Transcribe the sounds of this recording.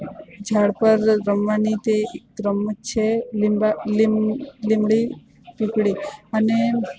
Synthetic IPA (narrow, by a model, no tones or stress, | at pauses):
d͡ʒʱaɽpəɾːəmʋanit̪ekɾəmt͡ʃʰelllimɭi | pikɽiəne